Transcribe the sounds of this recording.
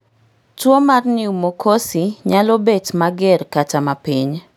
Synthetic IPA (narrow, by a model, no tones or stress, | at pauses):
twomarnɪumokʰosiɲalobetmaɡɪrkatamapiɲ